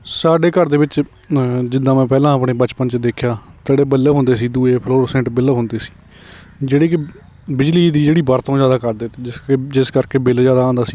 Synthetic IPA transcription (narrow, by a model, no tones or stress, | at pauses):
saːɖeːkəɾd̪eːbɪt͡ʃ | d͡ʒɪd̪ãːmɛ̃ːpɛːlãːəpɳeːbət͡ʃpənt͡ʃd̪eːkʰjaːt̪eːɽeːbəleːɦʊ̃nd̪eːsiːd̪uːeːpʰloːɾsɛ̃ːɳʈbɪlːɦʊnd̪eːsi̥ː | d͡ʒeːɽeːkɪ | bɪd͡ʒliːd̪iːd͡ʒeːɽiːbəɾt̪õːd͡ʒjaːd̪aːkəɾd̪eːt̪ːd͡ʒɪsed͡ʒɪskəɾkeːbɪld͡ʒjaːd̪aːãːnd̪aːsiː